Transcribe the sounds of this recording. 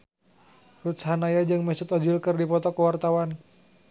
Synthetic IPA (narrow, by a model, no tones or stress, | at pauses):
rut̪̚shanajad͡ʒɨŋmɛsʊt̪ɔd͡ʒilkɨrdipɔt̪ɔkəwart̪awan